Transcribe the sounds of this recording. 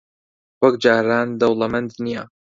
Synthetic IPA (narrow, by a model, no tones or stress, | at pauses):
wɐkd͡ʒaːɾaːnd̪ɐwlamɐnd̪nija